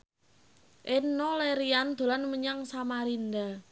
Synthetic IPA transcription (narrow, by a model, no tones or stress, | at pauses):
ʔenːɔleɾiand̪̥o̤lanməɲaŋsamaɾind̪a